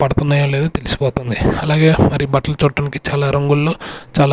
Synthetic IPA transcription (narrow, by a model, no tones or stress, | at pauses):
pɐɽɐt̪unːɐːjɐle̞ːd̪ut̪e̞lisi̥pɔːt̪und̪iɐlaːɡe̞ːmɐɾibɐʈlɐlut͡ʃuːʈːɐːnikit͡ʃaːlaːɾɐŋɡulːo̞ːt͡ʃaːla